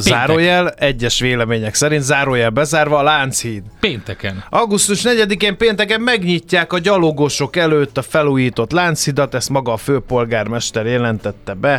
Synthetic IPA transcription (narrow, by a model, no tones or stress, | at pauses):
zaːɾojɛlɛɟːɛʃʋeːlɛmeːɲɛksɛɾint̪zaːɾojɛlbɛzaːrvɒːlaːnt̪shiːd̪peːnt̪ɛkɛnʔɒɡust̪uʃnɛɟɛd̪ikeːmpeːnt̪ɛkɛmːɛɡɲicːaːkɒɟɒloɡoʃo̞kɛløːt̪ːɒfɛluːjiːt̪o̞t̪laːnt̪shid̪ɒt̪ɛst̪mɒɡɒːføːpo̞lɡaːrmɛʃt̪ɛɾeɛlɛnt̪ɛt̪ːɛbɛ